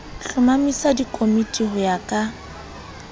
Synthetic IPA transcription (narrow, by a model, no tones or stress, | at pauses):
ɬʊmamisadikʼomitʼihʊjakʼa